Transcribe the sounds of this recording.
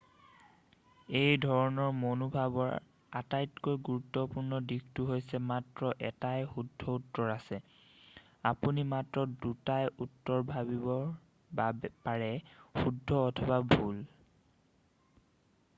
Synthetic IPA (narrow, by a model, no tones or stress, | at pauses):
ejdʱɔɹɔnɔɹmonubʱabɔɹ | atajtkojɡuɹutːɔpuɹnɔdiktuɦojsɛmatɹɔʔɛtajxudʱːɔutːɔɹasɛ | apunimatɹɔdutajʔutːɔɹbʱabibɔ | bpaɹɛxudʱːɔːtʰɔbabʱul